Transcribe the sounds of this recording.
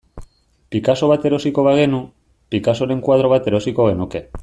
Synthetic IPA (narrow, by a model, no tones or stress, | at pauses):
pikaso̞β̞at̪e̞ɾo̞siko̞βaɣe̞nu | pikaso̞ɾe̞ŋkwað̞ɾo̞β̞at̪e̞ɾo̞siko̞ɣe̞nuke̞